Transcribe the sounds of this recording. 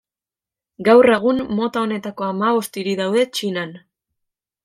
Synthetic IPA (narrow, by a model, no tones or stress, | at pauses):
ɡawre̞ɣ̞ummo̞t̪ao̞ne̞t̪ako̞amaβo̞st̪iɾiðawðe̞t͡ʃinan